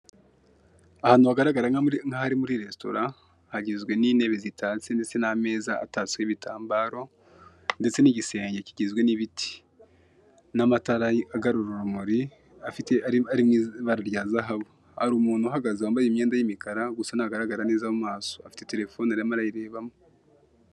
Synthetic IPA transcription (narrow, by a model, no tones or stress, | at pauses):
ahaːnuaɡaɾaɡaɾaŋahaɾimuɾiɾe̞sto̞̰ɾa | haɟizɡwe̞niːne̞βezitʰaːt͡sendet͡se̞name̞ːza̰ːtat͡sweβitʰaːmbaːɾo̞ | nde̞t͡se̞niːɟise̞ːɲɟe̞ciɟizɡwe̞niβitʰi̥ | namataɾajaɡaɾuɾuɾumoɾi | afiteaɾimiβaɾaɾjaːzaɦaβo | haɾuːmuːn̥huaɦaɡazawaːmbajimɲeːndajimikaɾaɡusanaɡaɾaɡaɾaneːzamumaːso̞afi̥te̞te̞ɾe̞fo̞ːnaɾamaɾajiɾe̞ːβamo